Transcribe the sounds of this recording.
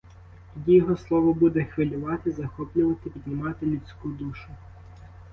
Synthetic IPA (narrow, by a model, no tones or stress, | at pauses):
jʲijɔɦɔslˠɔʋɔbud̪ɛxʋɪlʲʊʋɑt̪ɪzɐxɔplʲʊʋɐt̪ɪpʲid̪ʲnʲɪmɑt̪ɪlʲʊt͡sʲkud̪uʃʊ